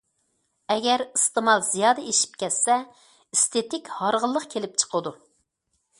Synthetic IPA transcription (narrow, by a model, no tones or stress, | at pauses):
ɛɡʲɛɾist̪ɨmɑlˠzijɑːd̪ɛeʃi̥p̚kʲɛt̪sɛ | ist̪ʰet̪ɪkʲhɑɾʁəlˠːəqkʲʰelɪp̚t͡ʃʰə̥qʰəd̪u